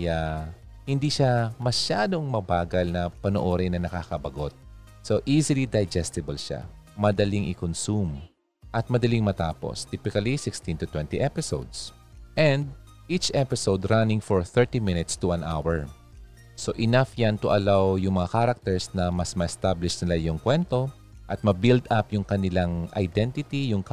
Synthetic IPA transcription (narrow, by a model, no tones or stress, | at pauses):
ja | hɪnd̪iʃamɐʃaːd̪oŋmɐbaːɡɐlnɐpɐnoʔo̞ːɾɪnːɐnɐkaːkɐbɐɡot̪̚ | soʔisɪlid̪ɐjd͡ʒɛst̪ɪbɐlʃa̰ | mɐd̪ɐliŋʔɪkonsum | ʔɐt̪̚mɐd̪ɐliŋmɐt̪aːpo̰st̪ipɪkɐlisɪkst̪ĩnt̪ʊt̪wɛ̃nt̪iʔɛpɪsowd̪s | ʔɛ̃nd̪̚ | ʔit͡ʃʔɛpɪsowd̪ɾanɪ̃ŋfoɹθɛɹt̪imɪnɪt̪st̪uwãnʔa̰wɛɹ | soʔɪnafjant̪ʊʔɐlawjʊŋmɐŋakaɾɐk̚t̪ɛɹsnɐmɐsmɐʔɛst̪ablɪʃnɪlajʊŋkwɛnt̪o̞ | ʔɐt̪̚mɐbild̪apjʊŋkɐnɪlaŋʔɐ̰jd̪ɛnt̪ɪt̪ijʊŋk